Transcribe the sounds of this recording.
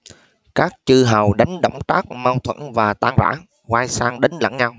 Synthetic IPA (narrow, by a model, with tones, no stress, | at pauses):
kaː˦˥k̚t͡ɕɨ˧ɦə˨˩wɗa˨˦jŋ̟ɗə̰˧˩wŋ͡mt̪aː˦˥k̚ma˧wt̪ʰwə̰˧˥nvaː˨˩t̪aː˧ŋza̰ː˧˥ŋ | ɣwaː˧jsaː˧ŋɗə˨˦ŋ̟lə̰˧˥nɲa˧w